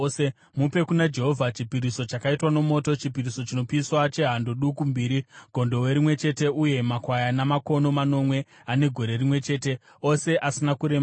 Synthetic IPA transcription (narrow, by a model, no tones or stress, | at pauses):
mupe̞kunad͡ʒe̞ɦo̞vʱat͡ʃipiɾiso̞t͡ʃakaitwano̞mo̞to̞t͡ʃipiɾiso̞t͡ʃino̞piswat͡ʃe̞ɦandoɗukumbiːɾiɡ̥ʱo̞ndo̞we̞ɾimwe̞t͡ʃe̞te̞uje̞makwajanamako̞no̞mano̞mwe̞ | ane̞ɡʱo̞ɾe̞rimwe̞t͡ʃe̞ːte̞ | o̞se̞ʔasinakuɾe̞m